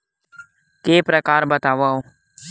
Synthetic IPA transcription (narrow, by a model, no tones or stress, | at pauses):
keːpɾəkaːɾbət̪aːʋaːoː